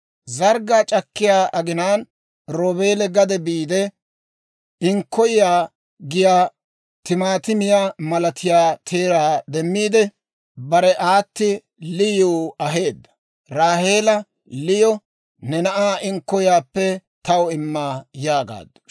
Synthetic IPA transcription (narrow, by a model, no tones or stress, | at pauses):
zɐɾɡaːt͡ʃʼɐkːɪjaːʔɐɡɪnaːn | ɾoːbe̞ːlɛɡɐd̪ɛbiːd̪ɛ | ɪŋkːɔjɪjaː | ɡɪjaː | t̪ɪmaːt̪ɪmɪjaːmɐlɐt̪ʰɪjaːt̪ʰeːɾaːd̪ɛmːiːd̪ɛ | bɐɾɛʔaːt̪ːɪ | lɪjuːɐɦe̞ːd̪ːɐ̥ | ɾaːheːlɐ | lɪjɔ | nɛnɐʔaːʔɪŋkːɔjɪjaːpːɛt̪ɐwɔɪmːaːjaːɡa̰ːd̪ːʊ̥